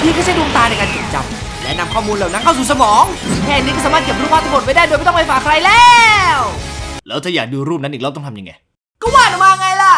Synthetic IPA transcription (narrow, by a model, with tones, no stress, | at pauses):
t̪ʰiː˥˩ka˥˩t͡ɕa˥˩jdu˧ə˧ŋt̪aː˧na˧jkaː˧nt͡ɕi˨˩t͡ɕa̰˧m̚ | lɛ̰ː˦˥na˧mkʰɔː˥˩muː˧nlɛː˨˩na˦˥ŋkʰa˥˩ws̬uː˨˩s̬a˧mɔː˨˦ŋkʰɛː˧˨nːi˦˥kɔː˥˩saː˨˦maː˥˩ke˨˩pɾpʰaː˥˩t̪ʰːmo˨˩t̚ma˥˩daː˥˩do˧jm˥˦t̪ɔ˥˨ma˧˩faː˨˩kʰɾa˧jlɛː˧wlɛː˦˥wt̪ʰaː˧˩jaː˨˩k̚duː˧ɾuː˥˩p̚na˦˥nʔiː˨˩lːt̪ɔ˥˩ŋt̪ʰa˧mja˧ŋːa̰˧˩j | kɔː˥˩waː˧˩na˨˩maː˧ŋːa˧jla˧˩